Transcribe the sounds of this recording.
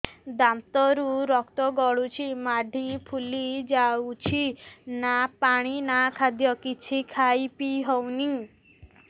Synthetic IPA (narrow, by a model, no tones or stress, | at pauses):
d̪amt̪ɔɾuɾɔkt̪ɔɡɔɭut͡ʃʰimaɖʱipʰulid͡ʒawut͡ʃʰinapaɽ̃inakʰad̪jɔkit͡ʃʰikʰajpiɦɔwni